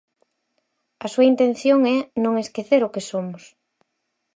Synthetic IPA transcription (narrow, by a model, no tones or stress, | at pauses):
ɐsuɐint̪en̟θjoŋɛnõŋeskeθeɾʊkesomʊs